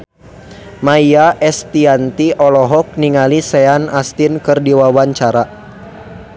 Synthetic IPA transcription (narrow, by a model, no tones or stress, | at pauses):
maiaʔɛst̪iant̪iʔɔlɔɦɔk̚niŋalisɛanast̪inkɨrdiwawaɲt͡ʃaɾa